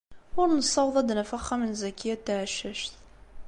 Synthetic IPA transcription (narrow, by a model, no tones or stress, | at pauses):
ʊɾnəsˤɑwðˤɑd̪næfaχːɑmənzækːijæt̪ːaʕʃæʃt̪